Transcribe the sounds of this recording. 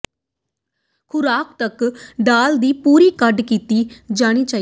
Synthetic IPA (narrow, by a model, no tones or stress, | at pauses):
kʰʊɾaːk̚t̪əkɖaːld̪iːpuːɾiːkəɖkiːt̪iːd͡ʒaːɽ̃iːt͡ʃaːi